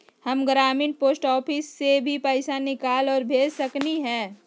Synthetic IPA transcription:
hɐmɡɾaːmɪ̃npoːsʈɔːpʰɪsːebʱipɛːsanɪkaːlɔːɾbʱeːd͡ʒsɐkniɦɛː

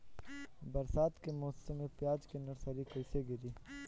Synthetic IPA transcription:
bɐɾsaːt̪kemoːssemẽpɪjaːd͡ʒkenɐɾsaɾikɐseɡɪɾiː

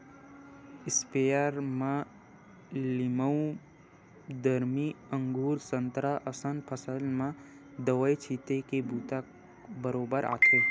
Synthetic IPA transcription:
ɪspejaɾmã | lɪməũ | d̪əɾmiə̃ŋɡuːɾsənt̪ɾaʔəsənpʰəsəlmã | d̪əʋəjt͡ʃʰit̪ekebuːt̪a | bəɾoːbəɾʔa̰ːt̪ʰe

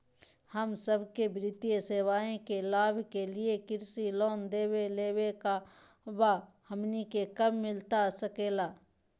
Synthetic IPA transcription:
həmsəbʱkebɾɪt̪ijeseːwaːẽkelaːbʱkeliekɪɾsiloːnd̪eːweleːweka | ba | həmnikekəbːɪlt̪asəkeːlaː

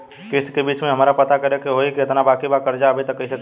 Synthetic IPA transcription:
kiskebit͡ʃmẽɦəmɾapət̪akəɾekeɦojkiət̪nabakibakəɾd͡ʒaəbɛt̪ɔkəisək

